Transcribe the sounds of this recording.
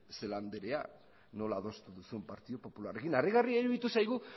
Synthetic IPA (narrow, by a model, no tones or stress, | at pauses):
se̞land̪eɾea̰ | no̞laːðo̞st̪uðusumpaɾt̪iðopo̞pulare̞kinariɣariaiɾuðit̪usajɣ̞u